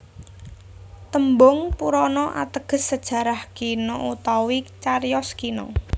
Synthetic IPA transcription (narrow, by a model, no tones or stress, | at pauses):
t̪əmbɔŋpuɾɔnɔʔa̰t̪əɡ̥ə̤sːəd̥ʒ̥ä̤ɾahkinɔut̪awit͡ʃarjɔskinɔ̰